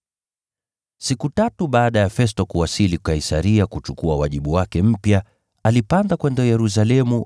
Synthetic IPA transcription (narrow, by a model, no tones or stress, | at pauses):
sikutatuɓaːɗajafɛstɔkuwasilikaisaɾiakut͡ʃukuawaʄiɓuwakɛm̩pja | alipandakwɛndɔjɛɾus̬alɛmu